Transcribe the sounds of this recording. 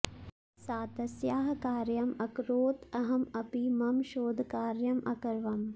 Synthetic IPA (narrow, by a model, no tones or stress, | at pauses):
saːt̪ɐsjaːɦkaːɾjɐmɐkɾoːt̪ɐɦɐmɐpimɐmʃoːd̪ʱkaːɾjɐmʔɐkɐɾʋɐm